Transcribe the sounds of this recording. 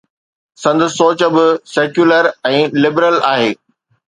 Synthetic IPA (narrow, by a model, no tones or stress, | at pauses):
sɐ̃nd̪əsːoːt͡ɕə̆bɪseːkjuːləɾɛ̃ːlɪbɾəlaːɦeː